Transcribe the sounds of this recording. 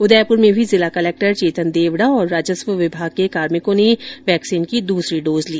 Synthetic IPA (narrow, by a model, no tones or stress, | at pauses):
ʊd̪ɛːpʊɾmẽbʱizɪlakɐleːk̚ʈəɾt͡ʃeːt̪ʰənd̪eːʋɽaɔːɾːaːd͡ʒəsʋəʋɪbʱaːɡ̚kekaːɾmɪkõneʋɛːksiːnkid̪uːsɾiɖoːzliː